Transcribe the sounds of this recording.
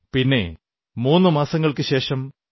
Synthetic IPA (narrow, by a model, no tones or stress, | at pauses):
pinːe̞̰ | muːnːɨmaːsɐŋːɐɭkɨɕe̞ːʂɐm